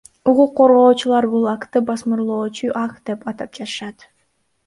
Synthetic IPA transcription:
uquqːo̞ɾʁo̞ːt͡ʃulˠɑɾbulˠɑkt̪ɯbɑsmɯɾlˠo̞ːt͡ʃuʔɑkd̪̥e̞pɑt̪ɑp̚d͡ʒɑt̪ɯ̥ʃɑt̪

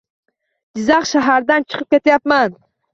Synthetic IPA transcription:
d͡ʒizɑχʃaɦaɾd̪ant͡ʃʰɨ̥qʰɯp̚kʲe̞t̪japman

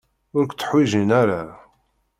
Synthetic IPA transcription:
ʊɾkʷt͡sːə̥ħwiʒinæɾa

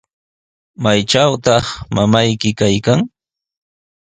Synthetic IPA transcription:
majʈ͡ʂawt̪ɑχmamajkɪkajkaŋ

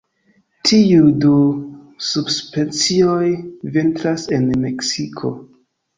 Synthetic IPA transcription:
tʰiudu | subspent͡sio̞jvintɾase̞nme̞ksikʰo̞̰

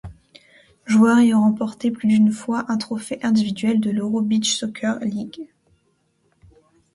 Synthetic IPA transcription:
ʒuœʁeɔ̃ʁɑ̃pɔʁt̪eplyd̪ynfwaʔɛ̃t̪χɔfeʔɛ̃d̪ivid̪ɥɛld̪əløʁobit͡ʃsɔkʲʰœʁliɡ

